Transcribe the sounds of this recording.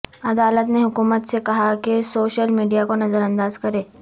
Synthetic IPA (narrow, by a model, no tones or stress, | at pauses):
ɐd̪aːlət̪neɦʊkuːmət̪sekɐɦakesoːʃəlmiːɖijakonɐzəɾɐ̃nd̪aːzkɐɾẽː